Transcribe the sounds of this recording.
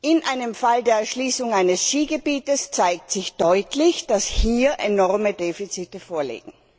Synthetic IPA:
ʔɪnʔaɪnəmfaldeːɐɛɐʃliːsʊŋaɪnəsʃiːɡəbiːtəst͡saɪk̚tz̥ɪçd̥ɔʏtlɪçd̥ashiːɐʔenɔʁmədeːfit͡sitəfoːɐlḭːɡ̥ŋ̩

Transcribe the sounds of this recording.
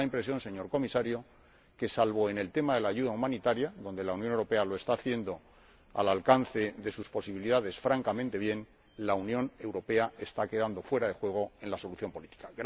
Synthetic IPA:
aimpɾe̞sjo̞nse̞ɲo̞ɾko̞misaɾjo̞ | ke̞salβo̞e̞ne̞lt̪e̞maðe̞laːʝuðaumãnit̪aɾjaðo̞nd̪e̞launjonewɾo̞pe̞alo̞est̪aːθje̞nd̪o̞ | a̰lalkan̟θe̞ðe̞suspo̞siβ̞iliðaðe̞sfɾaŋkamẽ̞nt̪e̞β̞je̞n | launjõ̞ne̞wɾo̞pe̞ae̞st̪ake̞ðand̪o̞fwe̞ɾaðe̞xwe̞ɣ̞o̞e̞nlaso̞luθjo̞mpo̞lit̪i̥kaɣ

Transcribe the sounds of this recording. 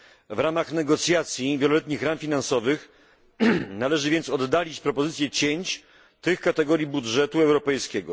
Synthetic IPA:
vɾamaxnɛɡɔt̪sʲjat̪sʲjivʲjɛlɔlɛt̪ɲixɾamfʲinansɔvɘx | nalɛʐɘvʲjɛnt̪sɔd̪ːalʲit͡ɕpɾɔpɔzɘt̪sʲjɛt͡ɕeɲt͡ɕ | t̪ɘxkat̪ɛɡɔɾʲjibudʐɛt̪uɛwɾɔpɛjskʲɛɡɔ

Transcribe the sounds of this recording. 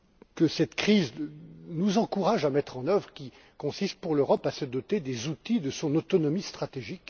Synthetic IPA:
kəsɛt̪kχiznuzɑ̃kuʁaʒamɛt̪χɑ̃nœvʁəkʲi | kɔ̃sist̪̚puʁløʁɔpasəd̪ɔt̪ed̪ezut̪id̪əsɔ̃not̪ɔnɔmist̪χat̪eʒik

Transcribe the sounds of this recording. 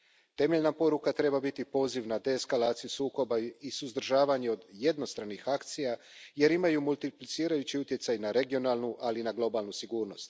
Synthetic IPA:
t̪e̞me̞ʎnapo̞ɾukat̪ɾe̞babit̪ipo̞ːziʋnad̪eskalaːt̪sijusuːko̞baisuzd̪r̩ʒaːʋaɲeo̞d̪je̞d̪no̞st̪ɾanixakt̪sija | je̞ɾimajumulˠt̪iplit̪siːɾajut͡ɕiut̪je̞t̪sajnaɾe̞ɡio̞naːlˠnuʔalinaɡlˠo̞baːlˠnusiɡuːɾno̞st̪

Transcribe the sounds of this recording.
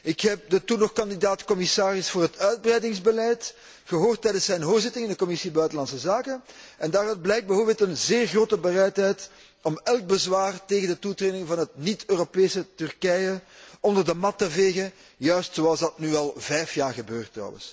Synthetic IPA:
ɪkɦɛp̚dətunɔxkɑndidaːtkɔmɪsaːrɪsfoːrɦətœɥd̚brɛjdɪŋzbəlɛjt | ɣəɦoːrtːɛjdənsɛjnɦoːrzɪtɪŋɪndəkɔmɪsibœɥtəlɑntsəzaːkənɛndaːɾœd̚blɛjk̚bəɦoːbɪltənzeːrɣroːtəbərɛjtɦɛjt | ɔmɛlˠk̚bəzwaːrteːɣəndətutreːdɪŋvɑnɦətnitøːropeːsətʏrkɛjəɔndərdəmɑtːəveːɣə | jœɥstsoɑlˠzdɑtnyːɑlˠvɛjfjaːrɣəbøːrtːrɔ̰wə̰ns

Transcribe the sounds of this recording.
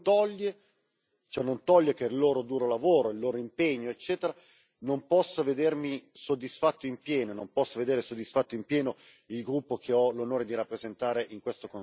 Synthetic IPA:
t̪ɔʎːe | t͡ʃoɛnont̪ɔʎːekerloːɾod̪uːɾolavoːɾoilːoːɾoimpeɲːoet͡ʃːɛːt̪eɾa | nompɔsːoved̪ermisod̪ːisfat̪ːoimpjɛːnonompɔsːoved̪eːɾesod̪ːisfat̪ːoimpjɛːno | ilɡɾupːokʰeɔlonoːɾed̪iɾapːɾezent̪aːɾeʔiŋkwest̪oko

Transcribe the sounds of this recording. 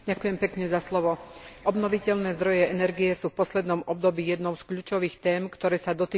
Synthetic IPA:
ɟakujɛmpɛkɲɛzaslɔʋɔɔbnɔʋicɛʎnɛːzd̪ɾɔjɛɛnɛɾɡijɛsuːfpɔslɛd̪nɔmɔb̚d̪ɔbiːjɛd̪nɔʊskʎuːt͡ʃɔʋiːxt̪ɛːmkt̪ɔɾɛːsad̪ɔt̪iː

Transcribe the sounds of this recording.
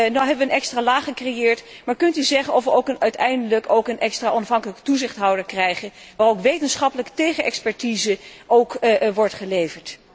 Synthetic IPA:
nɔwɦɛbəʋənɛkstraːlaːχəkrejɪːɹtmaːɹkɵntyzɛχənɔfʋəowkənœɥtɛjndələkowkənʔɛkstraːʔɔnɑfɦɑŋkələktuzɪχtɦɑwdəɹkrɛjχənʋaːrowkʋejtənsχɑpələkə̥tejχənʔɛkspɛɹtizəʔowkʋɔɹtχəlejvəɹt

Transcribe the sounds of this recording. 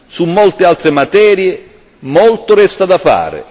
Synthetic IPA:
sumːɔlt̪ɪalt̪ɾɪmat̪ɛːɾje | mɔlt̪ʊɾɛst̪ad̪afa̰ːɾɪ̰

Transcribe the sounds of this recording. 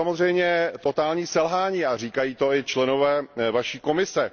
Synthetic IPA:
amozr̝ɛjmɲɛt̪o̞t̪aːlɲiːsɛlɦaːɲiːar̝iːkajiːt̪o̞ɪt͡ʃlɛno̞vɛːvaʃiːko̞mɪsɛ

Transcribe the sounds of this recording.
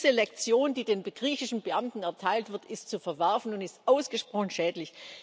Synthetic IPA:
zəlɛk̚t͡sjoːndiːdeːnbɡ̥ʁiːçɪʃn̩bəʔamtn̩ɛɐtʰaɪltv̥ɪɐtɪstt͡sufɛɐvɛɐfn̩ʊntɪstʔaʊsɡ̥əʃpʁ̥ɔχn̩ʃɛːtlɪç

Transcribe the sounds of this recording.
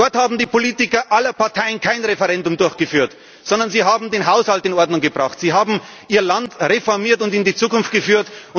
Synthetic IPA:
dɔɐthaːbm̩diːpʰoliːtɪkɐʔalɐpʰaɐtʰaɪənkʰaɪnʁefɛʁɛndʊmdʊɐçɡ̥əfyːɐt | z̥ɔndɐnziːɦaːbm̩deːnɦaʊshaltɪnɔɐdnʊŋɡəbʁaχtz̥iːɦaːbm̩ | ʔiːɐlantʁefɔɐmiːɐtʊntɪndiːt͡suːkʊnft̚ɡ̥əfyːɐtʊn

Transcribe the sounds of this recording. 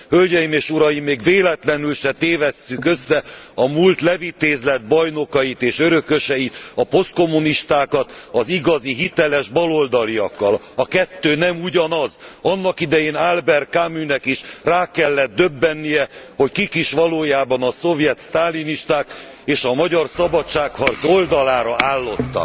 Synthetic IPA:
hølɟɛjimeːʃuɾɒjimːeːɡveːlɛt̪lɛnylʃɛt̪eːvɛsːykø̞sːɛɒmult̪lɛvit̪eːzlɛd̪̚bɒjno̞kɒjit̪eːʃøɾø̞kø̞ʃɛit̪ɒpo̞st̪̚ko̞muniʃt̪aːkɒt̪ɒziɡɒziɦit̪ɛlɛʒbɒlo̞ld̪ɒlijɒkːɒl | ɒkɛt̪ːøːnɛmuɟɒnɒzɒnːɒkid̪ɛjeːnalbɛrkamynɛkiʃraːkɛlːɛd̪̚ːø̞bːɛnːijɛho̞ckikiʃʋɒloːjaːbɒnɒso̞vjɛt̪st̪aːliniʃt̪aːk | eːʃɒmɒɟɒrsɒbɒtt͡ʃaːkhɒrzo̞ld̪ɒlaːɾɒaːlːo̞t̪ːɒ̰k

